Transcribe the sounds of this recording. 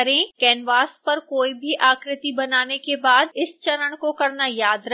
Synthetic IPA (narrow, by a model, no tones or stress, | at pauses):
ɾẽkɛːnʋaːspɐɾkoːibʱiʔaːkɾɪt̪ibɐnaːnekebaːd̪ɪst͡ʃɐɾəɽ̃kokɐɾnajaːd̪ɾɐ